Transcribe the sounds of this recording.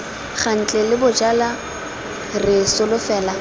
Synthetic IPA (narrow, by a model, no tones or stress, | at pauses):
χan̩t͡ɬʼɛlɪbʊd͡ʒala | rɪsʊlʊfɛːla